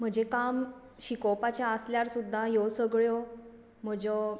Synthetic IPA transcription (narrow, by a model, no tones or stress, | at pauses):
m̤əd͡ʑekam | ɕikɔpat͡ɕjaəsljaɾsud̪ʱːajosəɡɭjɔ | m̤əd͡ʑɔ